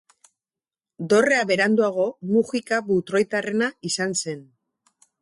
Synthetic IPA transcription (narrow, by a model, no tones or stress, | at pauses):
d̪o̞re̞aβe̞ɾand̪uaɣ̞o̞muxikaβut̪ɾo̞jt̪are̞naisanse̞n